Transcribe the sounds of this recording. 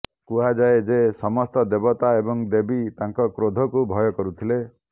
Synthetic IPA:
kuɦad͡ʒaed͡ʒesɔmɔst̪ɔd̪ebɔt̪aebɔŋd̪ebit̪aŋkɔkɾod̪ʱɔkubʱɔjɔkɔɾut̪ʰile

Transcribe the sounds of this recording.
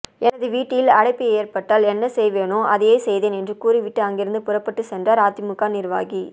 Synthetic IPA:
ɛnɐðɯʋiːʈːɪjɪlɐɽɐɪpːieːɾpɐʈːaːlɛnːɐsɛjʋeːnoːʔɐðɐjeːsɛjðeːnɛndrɯkuːɾiʋɪʈːɯɐŋɡɪɾɯnd̪ɯpʊrɐpːɐʈːɯsɛndraːɾaːt̪imʊkːaːnɪɾʋa̰ːɣi

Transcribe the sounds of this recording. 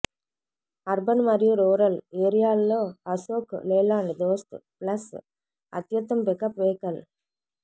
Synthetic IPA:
ɐɾbɐnmɐɾɪjuɾoːɾɐleːɾijaːlːoɐsoːkleːlaːɳɖd̪oːst̪plɐs | ɐ̰t̪jɐt̪ːɐmpekːɐpʋeːkɐl

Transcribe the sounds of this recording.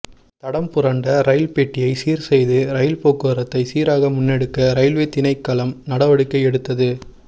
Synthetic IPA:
t̪ɐɽɐmpʊɾɐɳɖɐɾɐjɪlpeːʈːɪjɐɪsiːɾsɛjðɯɾɐjɪlpoːkːɯɐɾɐt̪ːɐɪsiːɾaːɣɐmʊnːɛɽɯkːɐɾɐɪlʋeːt̪ɪnɐɪkːɐlɐmnɐɽɐʋɐɽɯkːɐɪɛɽɯt̪ːɐðɯ

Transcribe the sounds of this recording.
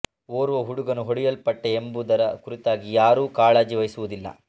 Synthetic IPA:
oːɾuʋɐɦuɽuɡɐnuɦoɽijɐlpɐʈːeembud̪ɐɾɐkuɾit̪aːɡijaːɾuːkaːɭɐːd͡ʒiʋɐjsuʋud̪ilːɐ̰

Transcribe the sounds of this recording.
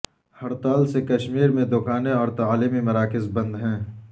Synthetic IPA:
hɐɾt̪aːlsekɐʃmiːɾmẽd̪ʊkaːneɔːɾt̪aaːliːmimɐɾaːkɪzbɐ̃nd̪ɦɛ̃ː

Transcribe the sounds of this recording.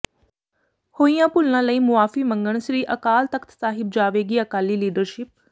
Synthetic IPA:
hoːijãːpʊlnãːləiːmʊaːfiːmə̃ŋɡəɳ̃sɾiːʔəkaːlt̪əkʰt̪saːɦɪb̚d͡ʒaːʋeːɡiːəkaːliːliːɖəɾʃɪp̚

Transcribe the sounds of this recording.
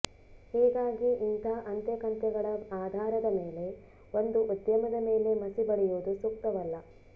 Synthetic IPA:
hiːɡaːɡiint̪ʰaːʔɐnt̪jɐkɐnt̪jɐɡɐɭɐaːd̪ʱaːɾɐd̪ɐmeːle̞ | ond̪uʔud̪jɐmɐd̪ɐme̞ːle̞mɐsibɐɽɛjuːd̪usukt̪ɐʋɐlːɐ

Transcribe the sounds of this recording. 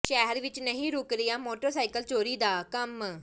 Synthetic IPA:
ʃɛːɦəɾʋɪt͡ʃnəɦĩːɾʊkɾɪjaːmoːʈəɾsaːikəlt͡ʃoːɾiːd̪aːkəm

